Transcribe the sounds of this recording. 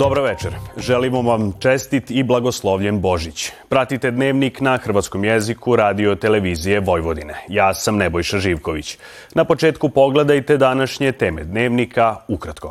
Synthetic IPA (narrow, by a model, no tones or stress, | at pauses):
d̪obɾoʋet͡ʃeɾʒelimoʋamt͡ʃest̪it̪iblˠaɡo̞slˠoʋʎenbo̞ʒit͡ɕpɾat̪it̪e̞d̪ne̞ːʋniknaxr̩ʋat̪sko̞mjezikuɾaːd̪io̞t̪e̞le̞ʋiːzije̞ʋo̞jʋod̪ine̞̰jaːsamnebojʃaʒiːʋko̞ʋit͡ɕ | napo̞t͡ʃeːt̪kupo̞ɡle̞d̪ajt̪e̞d̪anaʃɲe̞t̪e̞ːme̞d̪neːʋnikʰaukɾat̪ko